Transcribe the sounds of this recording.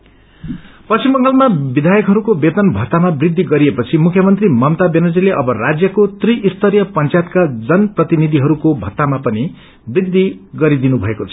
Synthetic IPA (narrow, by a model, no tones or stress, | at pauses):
pʌsimːʌŋɡʌlmabid̪ʱajʌkɦʌɾukobet̪ʌnbʱʌt̪ːamabrid̪ʱːiɡʌɾiepʌt͡sʰimukʰjʌmʌnt̪rimʌmt̪abenod͡zileʔʌbʌrad͡zjʌkot̪riʔist̪ʰʌɾjʌpʌnt͡sjat̪kad͡zʌnprʌt̪inid̪ʱiɦʌɾukobʱʌt̪ːamapʌni | brid̪ʱːiɡʌɾid̪inubʱʌekot͡sʰʌ̥